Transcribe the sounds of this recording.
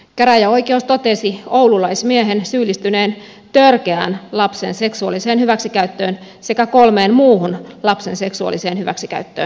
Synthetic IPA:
kæɾæjæoikeust̪ot̪esiowlulɑismieɦensyːlːist̪yneːn | t̪ørkeæ̰ːnlɑpsḛnse̞ksuɑ̰lːiseːnhyʋæksikæyt̪ːøːn | sekækolmeːnmuːhunlɑpsense̞ksuɑ̰lːˑiseːnhyʋæ̰ksikæ̰yt̪ːøːn

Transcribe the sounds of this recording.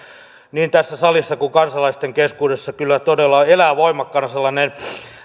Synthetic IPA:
niːnt̪æsːæsɑlisːɑkuŋkɑnsɑlɑist̪eŋkeskuːdesːɑkylːæt̪odelːɑelæːʋoimɑkːɑnselːɑnen

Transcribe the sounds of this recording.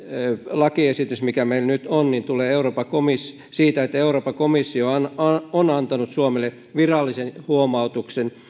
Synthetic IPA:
lɑkiesit̪ysmikæmeilnyt̪onnint̪uleːeuroːpɑkomis | siːt̪æet̪ːeuroːpɑkomisːioɑnonɑnt̪ɑnut̪suomele | ʋirɑlːisenhuomɑut̪uksen

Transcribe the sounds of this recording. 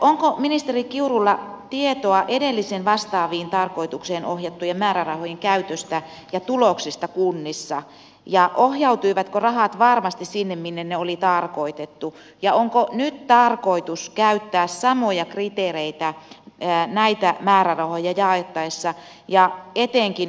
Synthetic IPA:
ʔoŋkominist̪erikiurulːɑt̪iet̪oɑʔedelːisenʋɑst̪ɑːʋiːnt̪ɑrkoit̪ukseːnohjɑt̪ːujɑmæːɾærɑhojeŋkæyt̪øst̪æ | jɑt̪uloksist̪ɑkunːisːɑ | jɑʔohjɑut̪uiʋæt̪korɑhɑt̪ʋɑrmɑst̪issinːemminːenneolit̪ɑrkoit̪et̪ːu | jɑoŋkonyt̪t̪ɑrkoit̪uskæyt̪ːæːssɑmojɑkrit̪eːreit̪æ | næit̪æmæːɾærɑhojɑjɑːet̪ːɑisːɑ | jɑet̪eŋkin

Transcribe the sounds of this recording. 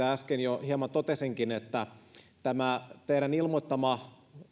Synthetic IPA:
æskenjohiemɑnt̪ot̪esiŋkinet̪ːæ | t̪æmæt̪eiɾænilmot̪ːɑmɑ

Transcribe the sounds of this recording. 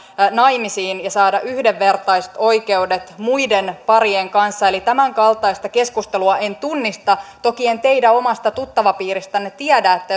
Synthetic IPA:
nɑjmisiːnjɑsɑːdɑʔyhdeʋːert̪ɑist̪o̞ike̞udet̪muidenpɑrieŋkɑnsːɑelit̪æmæŋkɑlt̪ˑɑist̪ɑke̞skust̪eluɑʔe̞nt̪unːist̪ɑt̪o̞kie̞nt̪e̞idæo̞mɑst̪ɑt̪ut̪ːɑʋɑpiːrist̪ɑnːet̪iædæːet̪ːæ

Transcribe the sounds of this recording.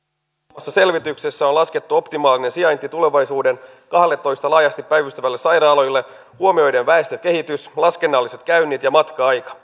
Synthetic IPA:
mɑsːɑse̞lʋit̪ykse̞sːæolɑske̞t̪ːuo̞pt̪imɑːline̞nsiɑjnt̪it̪ule̞ʋɑjsuːde̞n | kɑhlet̪ːo̞jst̪ɑlɑːjɑst̪ipːæjʋyst̪æʋælːe̞sɑjɾɑːlo̞jlːe̞ | huo̞mio̞jde̞nʋæest̪øk̟e̞ɦit̪yslɑske̞nːɑlːise̞t̪kæyɥnːit̪jɑmɑt̪kɑɑjkɑ̥

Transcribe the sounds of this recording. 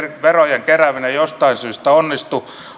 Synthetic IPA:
rʋerojeŋkeræʋinejost̪ɑinsyːst̪æonːist̪u

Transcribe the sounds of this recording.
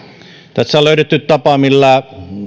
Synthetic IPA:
t̪æsːæoløˑyt̪et̪ːyt̪t̪ɑpɑmilːæ

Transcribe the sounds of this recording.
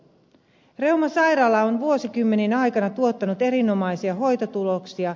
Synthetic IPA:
re̞wmɑsɑjɾɑːlːɑonʋuo̞sikymːe̞ninɑjkɑnɑt̪uo̞t̪ːɑnut̪e̞ɾino̞mɑjsiɑɦo̞jt̪ot̪ulo̞ksiɑ

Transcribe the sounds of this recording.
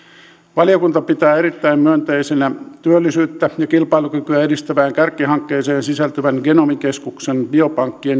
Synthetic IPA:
ʋɑliokunt̪ɑpit̪æːeɾit̪ːæimmyønt̪eisenæt̪yølːisyːt̪ːæjɑkilpɑilukykyæedist̪æʋæːŋkærkːiɦɑŋkːeːseːnsisælt̪yʋænɡenomikeskuksenbiopɑŋkːien

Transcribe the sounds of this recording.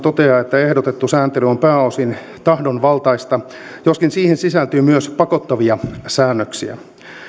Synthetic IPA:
t̪ot̪eɑet̪ːæehdot̪et̪ːusæːnt̪elyompæːosin | t̪ɑhdonʋɑlt̪ɑist̪ɑ | joskinsiːhinsisælt̪yːmyøspɑkot̪ːɑʋiɑsæːnːøksḭæ̰

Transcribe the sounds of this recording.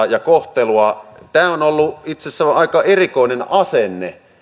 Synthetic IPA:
jɑkoht̪eluɑt̪æːonolːuit̪sesːæʋʔɑˑikɑerikoˑinenʔɑsenːḛ

